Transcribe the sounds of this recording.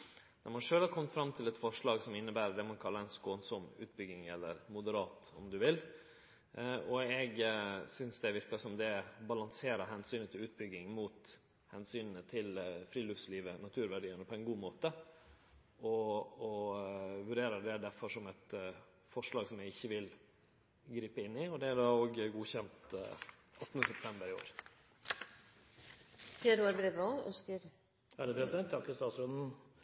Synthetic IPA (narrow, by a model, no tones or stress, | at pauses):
d̪ɛmɑnʂøːlhɑɾkʰɔmːət̪fɾɑmːt̪ʰɪlɛt̪fɔʂɭɑːɡsɔmɪnːəbæːɾəɖ̪ɛmɑnkʰɑlːɑɾɛnskoːnsɔmʉ̰ːt̪̚bʏɡɪŋɛlːəɾmʊd̪əɾɑːt̪ɔmd̪ʉʋɪl | ɔɛɡsʏnsd̪ɛʋɪɾkɑʂɔmd̪ɛbɑlɑŋseːɾəɦɛnsyːnət̪ʰɪlʉːt̪̚bʏɡːɪŋmuːt̪ | hɛnsyːnnət̪ʰɪlfɾiːlʉftsliːʋənɑt̪ʰʉːɾʋæɖiːənəpʰɔæɪnɡuːmoːt̪ə | ʔɔɔʋʉɖeːɾəd̪ɛd̪æfɔʂɔmɛt̪ | fɔʂɭɑːɡsɔmjæɡɪçːəʋɪl | ɡɾiːpəɪnːɪɔd̪ɛæɖɑːoːɡɡuːçɛnt̪ | ʔɑt̪ːnəsɛp̚t̪ʰɛmbəɾɪo̰ːɾ | feːd̪ʉɑɾbɾeːʋoœ̰skəɾ | æd̪əpʰɾɛsɪd̪ɛnt̪ʰɑkəst̪ɑːt̪sɾʉnd̪n̩